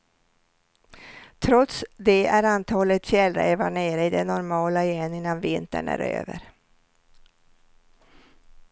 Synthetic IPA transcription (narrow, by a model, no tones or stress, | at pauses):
t̪ʰɾɔt̪sd̪ɛæɾant̪ʰɑːlət̪fjɛlɾeːvaɳeːɾəɪd̪ɛnɔɾmɑːlaɪjɛnːɪnːanvɪnt̪ə̰ɳæ̰ɾø̰ːvə̰ɾ